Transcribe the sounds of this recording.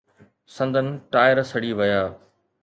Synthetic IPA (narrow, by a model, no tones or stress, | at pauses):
sɐ̃nd̪ʱənɪ̆ʈaːɪəɾsɐɽiʋɐjaː